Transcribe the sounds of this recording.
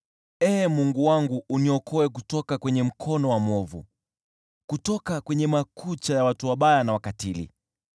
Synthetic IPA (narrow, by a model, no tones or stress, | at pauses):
ɛmuŋɡuwaŋɡuʔːniɔkʰɔɛk̬utɔkakwɛɲɛm̩kʰɔnɔwamɔvṵ | kutɔkakwɛɲɛmakʰut͡ʃajawatuwaɓajanawakatilḭ